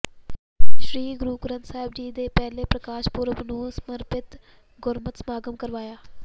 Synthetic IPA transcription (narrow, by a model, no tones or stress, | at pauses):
ʃɾiːɡɾuːkʊɾə̃nt̪saːɦɪbd͡ʒiːd̪eːpɛːleːpɾəkaːʃpʊɾəʋnũːsəməɾpɪt̪ | ɡʊɾmət̪smaːɡəmkəɾʋaːjaː